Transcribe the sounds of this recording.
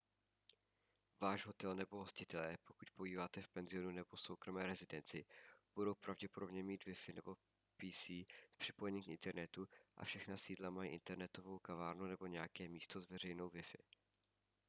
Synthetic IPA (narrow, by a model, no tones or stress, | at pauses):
vaːʒɦo̞t̪ɛlnɛbo̞ɦo̞scɪt̪ɛlɛːpo̞kucpoiːvaːt̪ɛfpɛnzɪo̞nunɛbo̞so̞wkɾo̞mɛːɾɛzɪdɛnt͡sɪb̥udo̞wpɾavɟɛpo̞do̞bɲɛmiːt̪vɪfɪnɛbo̞ | piːsiːfpr̥ɪ̥po̞jɛɲiːmkʔɪ̰nt̪ɛɾnɛt̪uʔa̰fʃɛxnasiːdlamajḭʔɪnt̪ɛɾnɛt̪o̞vo̞wkavaːɾnunɛbo̞ɲɛjakɛːmiːst̪o̞zvɛr̝ɛjno̞wvɪfɪ̰